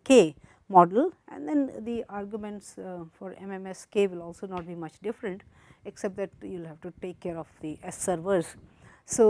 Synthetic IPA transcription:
keː | mɔːɖəlʔɛ̰̃nd̪ɛ̃nd̪iʔaːɾɡjumɛ̃ɳʈsfɔɾɛ̰̃mɛ̃mɛskeːʋɪlɔːlsoːnɔːʈ̚biːmʌt͡ʃɖɪfɾə̃ɳʈ | eksɛp̚ʈ̚d̪æʈ̚juɪlɦæʋʈuʈeːkːeːɾɔfd̪iʔɛsːəɾʋəɾzsoː

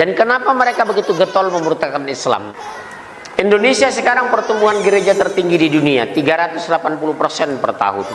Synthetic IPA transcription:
dankənapaməɾekabəɡit̪uɡət̪ɔlməmuɾut̪akanisla̰m | indonesiasəkaɾaŋpərt̪umbuɦanɡəɾed͡ʒat̪ərt̪iŋɡididunia̰t̪iɡaɾat̪ʊslapanpulupərsɛnpərt̪a̰ɦṵ

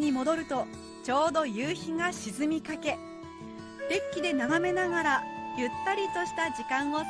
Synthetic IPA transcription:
ɲ̟imo̞d̪o̞ɾɯ̟t̪o̞ | t͡ɕo̞ːd̪o̞jɯːçiŋaɕizɨmʲikake̞ | ɾʲekʲːid̪e̞naɡame̞naɡaɾajɯ̟t̪ːaɾʲit̪o̞ɕi̥t̪aʑikãɰ̃o

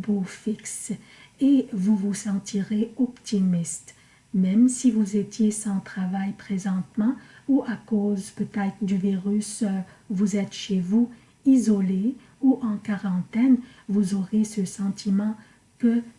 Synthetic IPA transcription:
bofiks | evuvusɑ̃t̪iʁeɔpt̪imist̪ | mɛmsivuzet̪jesɑ̃t̪χavajpχezɑ̃t̪mɑ̃uʔakozpøt̪ɛt̪χəd̪yviʁys | vuzɛt̪ʃevu | izɔle | uʔɑ̃kaʁɑ̃t̪ɛn | vuzɔʁesəsɑ̃t̪imɑ̃ | kə

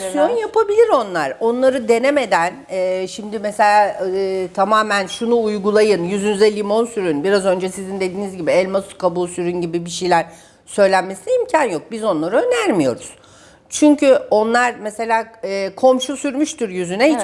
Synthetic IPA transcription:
sjonjapʰabilʲiɾo̞nlˠaɾ̥o̞nlˠaɾɯd̪e̞neme̞d̪ænɛʃimd̪ɪmese̞lʲaːt̪ʰamaːmænʃunuːjɡulˠajɯnjyzynyzɛlʲːimo̞nsyɾynbiɾazø̞nd͡ʒɛsizind̪e̞d̪iːnizɟibiɛlʲmaskabusyɾynɟibibiʃijlʲæɾ | sø̞jlʲænme̞sinɛimcʰanjo̞k̚bizo̞nlˠaɾɯø̞næɾmijo̞̰ɾuz̥ | t͡ʃʰyɲcʰyo̞nlˠaɾmese̞lʲaːkʰo̞mʃusyɾmyʃt̪yɾjyzynɛit͡ʃ

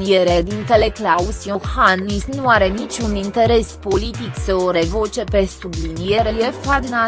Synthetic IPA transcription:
nijeɾed̪int̪eleklausiohanisnuaɾe̞nit͡ʃʲunint̪e̞ɾe̞spo̞lit̪iksəoɾe̞vo̞t͡ʃe̞pe̞sublinijeɾejefad̪na

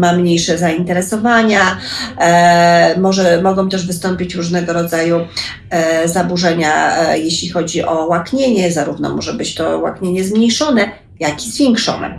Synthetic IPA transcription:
mamɲejʂɛzaint̪ɛɾɛsɔvaɲa | mɔʐɛmɔɡɔ̃w̃t̪ɛʐvɘst̪ɔmpʲit͡ɕɾuʐnɛɡɔɾɔd̪zaju | zabuʐɛɲa̰jeɕlʲixɔd͡ʑiʔɔwakɲeɲɛzaɾuvnɔ̰mɔʐɛbɘt͡ɕt̪ɔwa̰kɲeɲɛzmɲejʂɔnɛ | jakʲizvʲjɛŋkʂɔ̰nɛ̰

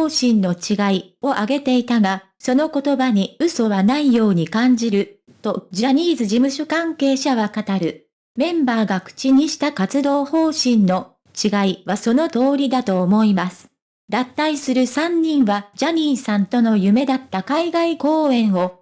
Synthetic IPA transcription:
oːɕĩnno̞t͡ɕiɡai | o̞ʔaɡe̞t̪e̞it̪aɡa | so̞no̞ko̞t̪o̞baɲ̟iɯso̞βanaijo̞ːɲ̟ikãɲ̟d͡ʑiɾɯ̟ | t̪o̞d͡ʑaɲ̟ʲiːzɨd͡ʑimɯ̟ɕo̞kãŋke̞ːɕaβakat̪aɾɯ̟ | mẽ̞mbaːɡakɯ̟̥t͡ɕiɲ̟iɕi̥t̪akat͡sɨd̪o̞ːho̞ːɕĩnno̞ | t͡ɕiɡaiβaso̞no̞t̪o̞ːɾʲid̪at̪o̞ːmo̞imasɨ̥ | d̪at̪ːaisɨɾɯ̟sãɲ̟ːĩɰ̃βad͡ʑaɲ̟iːsãnt̪o̞no̞jɯme̞d̪at̪ːakaiɡaiko̞ːẽ̞ɰ̃o̞

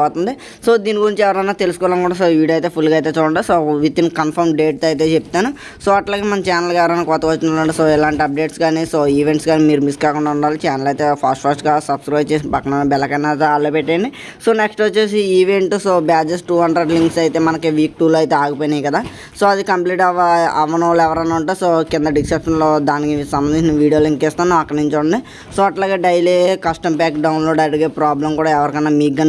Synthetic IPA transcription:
at̪und̪i | soːd̪iːniɡuɾiɲt͡ʃɛʋɐɾɐjnaːt̪e̞lusukɔːɐɽɐmkuːɽasoːʋiːɖɐjt̪eːpʰulːɡɐjt̪eːt͡ʃɔːɐɳɖasoːʋit̪inkɐmpʰɐɾmɖe̞ːʈ̚t̪ɐjit̪e̞ːt͡ʃepit̪aːnu | soːɐʈlaːɡeːmɐnɐmt͡ʃaːnɐlɡaʋɐɾɐnaːkɔːt̪ɐkʋɐt͡ʃːinɐɳɖisoːɛlaːɳʈiɐp̚ɖe̞ːʈsɡaːnisoːiːʋeɳʈsɡaːnimiːɾumiskaːkuɳɖaːuɳɖaːlit͡ʃaːnɐlɐjt̪eːpʰaːsʈpʰaːsʈɡaːsɐbskɾiɐt͡ʃeːsipɐkːɐnanbɛlːɐkɐnaːt̪aːlːopeʈːaːjɐɳɖi | soːneksʈʋɐt͡ʃːeːsiiːʋeɳʈsoːbaːd͡ʒesʈuːɦɐɳɖɾeɖliŋksɐjt̪e̞ːmɐnɐkiʋiːk̚ʈuːloːɐjit̪eːaːɡupojnajkɐd̪aː | soːɐd̪ikɐmpliːʈɐʋɐ̰ʋɐnɐloɛʋɐɾɐnːauɳʈaːsoːkɪnd̪ɐɖikʃɐpʂɐnloːd̪aːnikisɐmbɐnd̪iɲt͡ʃinɐʋiːɽijoːliŋkeːst̪aːnːaɐkːɐniɲt͡ʃɐuɳnd̪i | soːɐʈlaːɡeːɖɐjleːkɐsʈɐmbaːkɖɐwnloːɖɐɖɐɡepɾaːblɐmkuːɽaːɛʋɐɾikɐnːaːmiːkːɐn

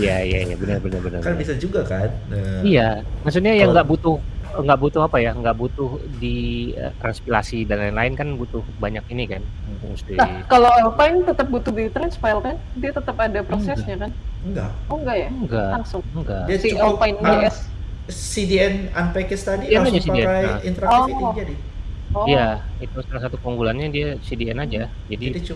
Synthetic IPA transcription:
ijaija̰ja̰bənərbənərbənə̰rkanbisald͡ʒuɡakanəijamas̬ut̪̚ɲajaŋɡaʔbut̪ʊhŋɡaʔbut̪ʊhapajaŋɡaʔbut̪ʊhdiə̰t̪ɾanspila̰sidalajnlaɪnkanbut̪ʊhbaɲak̚inikanust̪inakalawɔlpaɪnt̪ət̪əp̚but̪ʊhdit̪ɾanspajlkandiat̪ət̪əpadapɾosɛsɲakanəŋɡa̰ʔəŋɡaʔjaŋɡalaŋsʊŋəŋɡaiasiɔlpaɪnaa | sidiɛnanpɛkɪst̪adiɛad͡ʒasidiɛajint̪əɾaɔd͡ʒadi | oijait̪usalasat̪upoŋɡulanɲadiasidiɛnad͡ʒa | d͡ʒadi

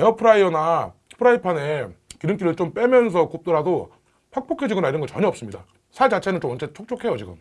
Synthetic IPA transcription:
eʌpʰɯɾaiʌna | pʰɯɾaipʰane̞kiɾɯŋk͈iɾɯɭt͡ɕ͈omp͈e̞mjʌnsʰʌkop̚t͈ʌɾado | pʰak̚p͈okʰed͡ʑiɡʌnaiɾʌnŋɡʌt͡ɕʌɲʌʌps͈ɯmɲida̰ | sʰat͡ɕat͡ɕʰe̞nɯnt͡ɕomʌnt͡ɕ͈ʰet͡ɕʰok̚t͡ɕ͈ʰokʰe̞jot͡ɕiɡɯ̰m

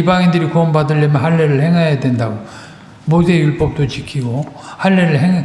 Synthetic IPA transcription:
ibaŋindɯɾikoʌmbadɯɭːʌmjʌnɦaɭːeɾɯɭhe̞ŋɦajadwe̞ndaɡo | mosʰejuɭp͈ʌp̚t͈ot͡ɕikʰiɡohaɭːeɾɯɭheŋ

